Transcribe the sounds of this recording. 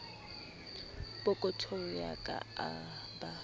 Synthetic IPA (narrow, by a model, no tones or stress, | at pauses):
b̥ʊkʼʊtʰoŋ̩jakʼa̰aba